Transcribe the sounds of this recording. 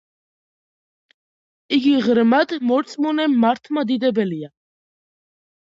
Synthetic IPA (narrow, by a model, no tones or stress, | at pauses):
iɡiʁɾmad̪mɔɾt̪sʼmɔnɛmːaɾt̪ʰmad̪id̪ɛbɛlia